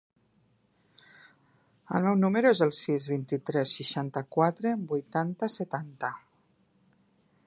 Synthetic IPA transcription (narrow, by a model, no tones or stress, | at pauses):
ə̰lˠmɛwnuməɾuezəlˠsizβint̪it̪ɾɛsːiʃant̪əkwat̪ɾebujt̪ant̪əsət̪ant̪ə